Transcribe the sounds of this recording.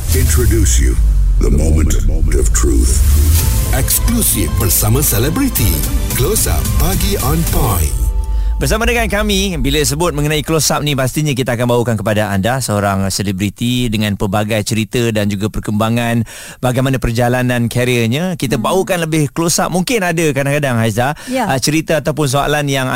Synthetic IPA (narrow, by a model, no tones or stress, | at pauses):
ɪ̃ntɹ̥ɨdusjṵðə̰mõʊ̃mə̃nttʌv̥tʰɹ̥ṵθ | ɛksklusifbərsamãsɛlɛbɾit̪iklosa̰pːaɡiɔ̃npajb̥ərsamadəŋankamibiləs̬əbʊt̪̚mə̃ŋənãiklosap̚nipast̪iɲak̬it̪aakanbaukankəpadaandasəoɾaŋsɛlebɾit̪idəŋãnpərbaɡajt͡ʃəɾit̪ədand͡ʒuɡapərkəmbaŋan | baɡajmanapərd͡ʒalanãnkʰaɾiəɲakit̪abaukanləbɪhkəlosap̚muŋkɪnadəkadaŋkadaŋɦajisdat͡ʃəɾit̪əat̪awpʊns̬oa̰lanjaŋ